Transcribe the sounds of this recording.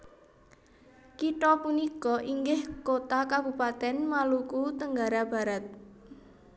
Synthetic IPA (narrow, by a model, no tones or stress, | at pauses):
kiʈɔpunikɔʔiŋɡɪhkot̪akab̥upat̪ɛnmalukut̪əŋɡaɾab̥a̤ɾat̪̚